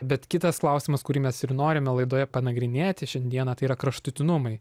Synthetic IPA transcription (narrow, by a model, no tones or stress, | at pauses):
bʲɛt̪kʲɪt̪ɐsklˠɐʊsʲɪmɐskʊɾʲiːmʲɛsɪɾnoːɾʲɪmʲɛlˠɐɪd̪oːjɛpɐnɐɡɾʲɪnʲeːt̪ʲɪʃʲɛnʲd̪ʲiɛnɐt̪ɐɪiɾɐkɾɐʃt̪ʊt̪ʲɪnʊmɐɪ